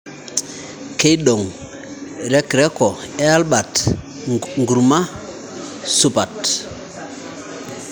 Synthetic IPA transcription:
ke˦jɗo˨ŋ | ɾe˦kɾɛ˦ko˨e˦a˦lba˨t | ŋɡu˨ɾma˦ | su˦pa˨t

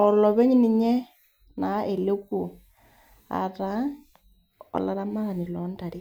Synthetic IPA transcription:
ɔ˨lɔ˨βɛ˦ɲi˦ni˨ɲɛ˦ | na˨˦ʔe˨le˦ku˨ | a̰˨ɾa˨˦ | ɔ̰˨la˨ɾa˦ma˦˨ni˨lɔ˨˦nda˨ɾi˦

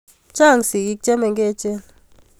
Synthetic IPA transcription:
t͡ʃa˦˨ŋsi˨ki˦k̚t͡ʃʼɛ˦mɛ˨ŋɡɛ˦t͡ʃʼɛ˦l

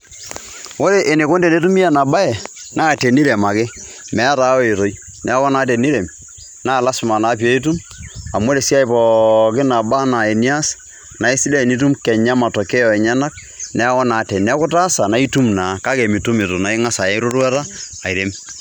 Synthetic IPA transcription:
wo˦ɾe˨ʔe˨ne˨ko˦ndɛ˨ne˦tu˦mi˦a˨na˨ba˦ɛ˨ | na˦˨te˨ni˦ɾe˨ma˨kɪ˦ | mɛ˨˦ta˨˦ɔ˦e˨to˦j | nɛ˨˦kɔ˦na˦t̬ɛ˨ni˦ɾe˨m | naː˦˨la˦sma˨na˨˦p̬jo˦i˦t̬u˦m | a˨mo˦ɾe˨si˦a˦jpɔ˨kɪ˦na˨ba˦na˨e˨ni˦a˦s | na˨ɪ˦sɪ˦lɛ˦˨ni˦t̬u˦mkɛ˨ɲa˦ma˨tɔ˨kɛ˦ɔ˨ɛ˨ɲa˦na˦k̚ | nɛ˦kɔ˦na˨˦tɛ˨nɛ˦kʊ˦ta˦sa˨na˨˦i˦tu˦mna˨˦˨ka˦kɛ˨mi˨tu˦mɪ˨to˨na˨ɪ˦ŋa˦sa˨ɛ˦ɾo˦ɾwa˦taː˦˨ɪ˨ɾe˦m

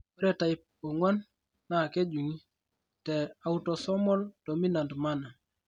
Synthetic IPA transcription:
o˦ɾɛ˦ta˨i˨p̚ | o˨ŋɔ˦nː | a˦˨ke˦d͡ʒu˨ŋi˦ | tɛ˨a˨u˦to˨sɔ˦mɔ˦lto˨mi˦na˨ndma˦na˨

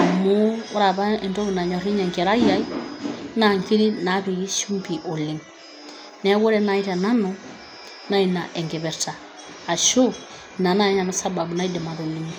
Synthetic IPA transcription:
mu˦ɾa˨ba˦e˨nto˦βi˨na˨ɲɔ˨ɾi˦ɲe˨ŋke˨ɾa˦ja˦i˦na˨ŋki˦ɾi˦na˨˦bi˨ɡi˦ʃu˦mpi˨ʔo˨li˨ŋ | nɛ˦wo˦ɾe˦na˨i˦ta˨na˦no˦ | na˦i˨na̰˨ʔe˨ŋɡe˨bɛ˨ɾta˨ | a˨ʃo˦ | na˨na˦ɲa˨na˦sa˦ba˨bu˨na˦i˦di˨ma˨to˨li˨ŋ

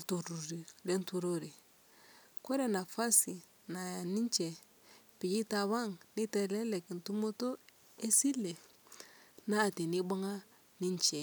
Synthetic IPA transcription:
to˨ɾu˨ɾi˨ɾe˦ntu˨ɾo˦ɾi˨ | ko˦ɾe˨na˨fa˦si˨ | na˨ni˦ɲt͡ʃe˨ | pi˨d͡ʒi˦ta˨βa˦ŋni˦te˨lɛ˦le˨ki˨ntu˦mo˦to˦ | e˦si˦le˨ | na˦˨ti˨ni˦ba˦ŋa˦ | ni˦ɲt͡ʃɛ˨

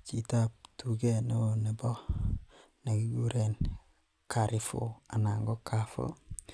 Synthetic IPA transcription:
t͡ʃi˨ta˦p̚tu˨ɡe˦no˦o˨ne˨bɔ˦ | na˨ɡi˦ɡu˦ɾe˨n | kʰa˨ɾɪ˨fo̰˨a˨na˨ŋɡo˦ka˦fo̰˦

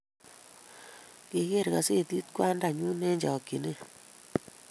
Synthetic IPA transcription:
ke˨ke˦˨ɾka˨se˦˨ti˦tkwa˦nda˨ɲu˦nɛ˦ɲd͡ʒa˨o˨ki˨ne˦

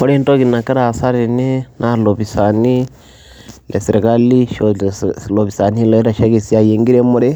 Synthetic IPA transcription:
ko˦ɾe˦nto˦ɣi˨na˨ka˦ɾa˨sa˦ɾe˨ne˦na˦lo˨βi˨sa˨ni˦ | le˨siɾe˨ka˦li˦ʃolo˨βi˨sa˨ni˦lo˦i˦ɾa˨ʃa˦ɣe˨si˦a˨je˨ŋɡi˦ɾe˦mu˦ɾe˦

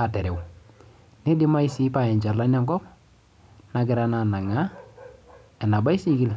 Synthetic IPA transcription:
a˨tɛ˨ɾɛ˨w | nɪ˦dɪ˦ma˦ɪ˦si˦pa˨ɛ˨ɲt͡ʃa˨ɾla˦na˦ŋɡɔ˦p̚ | na˨ɡɪ˨ɾa˦na˨na˨ŋa˦ | ɛ˨na˨ba˦ɪ˦si˦ɡi˦l

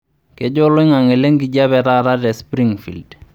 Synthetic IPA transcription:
ke˨˦d͡ʒo˦lo˦ɪ˦ŋa˨ŋɪ˨le˦ŋɡi˨d͡ʒa˦bɛ˨ta˦˨ɾa˦dɛ˨spɾi˦ŋfḭ˨ld

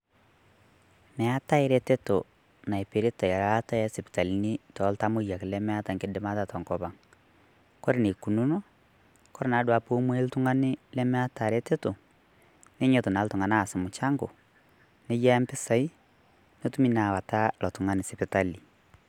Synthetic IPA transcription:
nɛ˨a˦ta˦ɪ˦ɾe˦te˦to˨ | na˨e˨pe˨ɾe˦ta˨ja˨la˦ta˦jɛ˦se˨pɪ̥˨ta˨li˨ni˦tɔ˨˦lta˦mʊ˦ja˨kɪ˨lɛ˦mɛ˦a˦ta˨ŋkɪ˦dɪ˦ma˦ta˦tɔ˨ŋkɔ˨βa˨ŋ | kɔ˦ɾe˨ne˨ku˨nu˦no˦ | kɔ˦ɾɪ˨na˨˦dwa˨po˦mwe˦ltu˦ŋa˦nɪ˦lɛ˦mɛ˦a˦ta˨ɾe˦te˦to˨ | ne˦ɲo˦to˨na˨˦ltʊ˨ŋa˨na˦˨sɪ˨mʊ˨t͡ʃa˦ŋɡo˨ | ne˦ja˦mpɪ˦sa˨i˦ | no˦tu˦mi˦na˨wa˨ta˦lɔ˨tʊ˨ŋa˨nɪ˨sɪ˨pɪ˨ta˦li˨

